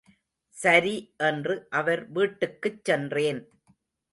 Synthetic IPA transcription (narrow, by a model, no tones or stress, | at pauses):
sɐɾiʔɛndrɯʔɐʋɐɾʋiːʈːɯkːɯt͡ʃːɛndreːn